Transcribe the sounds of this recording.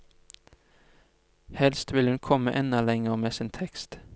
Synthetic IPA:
hɛlst̪ʋɪlhʉnkʰɔməʔɛnəlɛŋəʁmeːsɪːnt̪ʰɛkst̪

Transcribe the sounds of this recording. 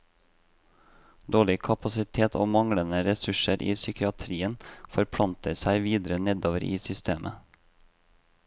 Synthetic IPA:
d̪oːɭɪkʰɑpɑsɪt̪ʰeːt̪ʰo̰ːmɑŋɽənəɾɛsʉʃəɾʔiːsʏkɪɑt̪ʰɾiːənfɔɾpʰɽɑnt̪əsæɪʋiːd̪ɾənɛd̪oːʋəɾʔḭːsʏst̪ʰeːmʔə̰

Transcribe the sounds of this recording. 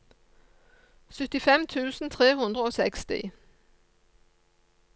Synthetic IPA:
sʏt̪ɪfɛmt̪ʰʉːsn̩t̪ʰʁeːɦʉnd̪ʁəoːsɛkst̪ɪ̰

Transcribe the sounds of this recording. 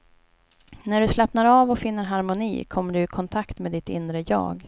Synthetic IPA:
næɖɵslɛpnaɾɑːvɔfɪnːəɾɦaɾmʊnḭːkʰɔmːəɖɵɪkʰɔnt̪ʰakt̪meːd̪ɪt̪ɪ̰nːɾəjɑ̰ːɡ

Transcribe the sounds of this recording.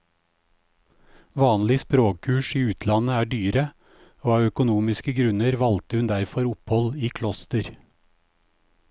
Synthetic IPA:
ʋɑːnlɪspɾoːkʰkʰʉːʃiːʉːt̪ʰlɑnəæːɖyːɾə | oːɑːœkʊnuːmɪskəɡɾʉnəɾʋɑlt̪əhʉnd̪æɾfɔɾʊphɔliːkʰlɔst̪əɾ

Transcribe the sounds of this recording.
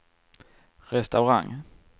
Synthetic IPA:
ɾɛst̪aʊɾa̰ŋː

